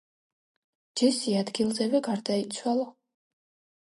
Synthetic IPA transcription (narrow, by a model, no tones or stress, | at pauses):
d͡ʒɛsiad̪ɡilˠzɛvɛɡaɾd̪ait̪sʰwalˠa